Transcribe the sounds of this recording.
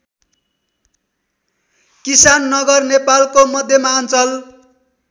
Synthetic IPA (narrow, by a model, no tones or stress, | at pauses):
kisanːʌɡʌrnepalkomʌd̪ʱjʌmaʌnt͡sʌl